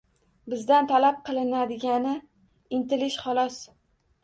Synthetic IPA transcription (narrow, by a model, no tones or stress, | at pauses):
bɪzd̪ant̪ʰalap̚qʰɨlˠɪnad̪ɪɡʲanɪ | ɪnt̪ɪlɪʃχɒlˠɒs